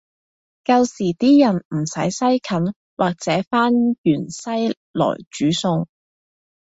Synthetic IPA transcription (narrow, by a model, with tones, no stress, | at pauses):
kɐ˧wsiː˨˩t̪iː˥jɐ˨˩nm̩˨˩sɐ̰˨˥jsɐ˥jkʰɐ˨˥n | wʔaː˨˩k̚t͡sɛː˨˥faː˥njyː˨˩nsɐ˥j | lɔ̰ː˨˩jt͡ʃyː˨˥sʊ˧ŋ